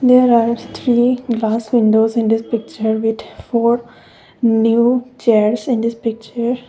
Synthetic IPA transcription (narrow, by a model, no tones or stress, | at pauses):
d̪eːɾaːɾt̪ʰɾiːɡlaːsʋɪ̃ɳɖoːsɪ̃nd̪ɪspɪk̚t͡ʃəɾʋɪd̪foːɾ | njuːt͡ʃeɾsɪ̃nd̪ɪspɪk̚t͡ʃəɾ